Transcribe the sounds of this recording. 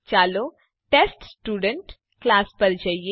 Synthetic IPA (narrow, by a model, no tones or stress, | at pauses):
t͡ʃaːloː | ʈeːsʈsʈuːɖeɳʈ | klaːspɐɾd͡ʒɐje